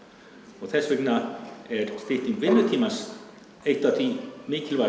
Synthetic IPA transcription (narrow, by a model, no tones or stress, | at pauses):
ɔɣθɛsːvɪknaɛɾst̪ɪht̪niŋkvɪmːʏt̪ʰiːmas | ejht̪aθimɪːcɪlva